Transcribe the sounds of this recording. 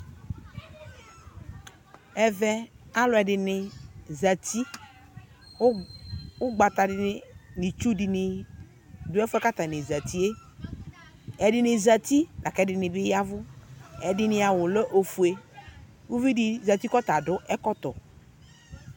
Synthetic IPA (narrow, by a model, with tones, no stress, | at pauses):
ɛ˨vɛ˨a˦lʊ˨˦ɛ˨ɖɪ˨nɪ˨za˨t̪i˦ | wʊ˦ɡ͡ba˨t̪a˨dɪ˨˦nɪ˨t͡ʃu˦dɪ˨nɪ˨ | dʊ˦ɛ˦fʊ˦ɛ˦ka˦t̪a˨nɪ˨za˨t̪i˦e˦ | ɛ˨dɪ˨nɪ˨za˨t̪i˦da˨kɛ˨˦dɪ˨nɪ˨bɪ˦ja˦vʊ˦ɛ˨dɪ˨nɪ˨a˨wʊ˨lɔ˦ʔo˨fu˨e˨ | wu˦vi˦dɪ˨za˨t̪i˦kɔ˦t̪a˨dʊ˦ʔɛ˦kɔ˦t̪ɔ̰˨